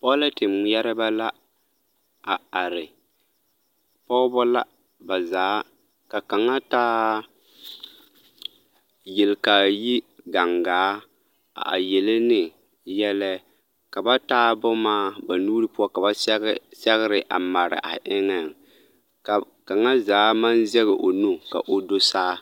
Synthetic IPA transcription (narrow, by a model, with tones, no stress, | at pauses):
pɔ˦la˦tɪ˨m˦jɛ˦ɾɪ˦ba˦la˦ | a˨a˨ɾɪ˨ | pɔ˦bɔ˦la̰˦ | ba˨zaː˨˦ | ka˨ka˨ŋa˦taː˦ | jɪ˨lka˨ji˦ɡa˨ŋɡaː˨˦ | a̰˨a̰˨jɛ˨lɪ˦nɪ˨ | jɛ˦lɛ˦ | ka˨ba˦taː˦bɔ˦maː˦ba˨nuː˦ɾɨ˦pʊ˦a˦ka˨ba˦sɛ˦ɣɪ˦ɾɪ˨ʔa̰˨ma˨ɾɪ̰˨ʔa̰˨ʔɪ˦ŋɛ˨ŋ | ka˨ | ka˨ŋa˦zaː˨˦ma˦nzɛ˦ɣɛ˨ʔo˨nu˦ka̰˨ʔo˨do˦saː˦